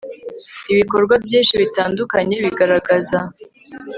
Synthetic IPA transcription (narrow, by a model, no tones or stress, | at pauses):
iβiko̞ɾɡwabjiːnʃiβitaːndukaɲe̞βiɡaɾaɡaza